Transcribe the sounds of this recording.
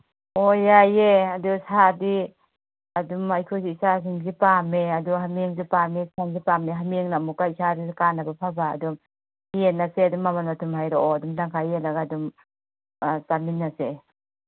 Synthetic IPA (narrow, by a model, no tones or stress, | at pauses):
ojajeadusadi | adumajkʰusiisas̬iŋzipameaduɦameŋzipamesaŋzipameɦamieŋnamukaisadiskanabapʰaba̰ːdum | hienːaseadumːamanmatʰumɦajɾɔɔadumdaŋkʰajelaɡadum | saminːase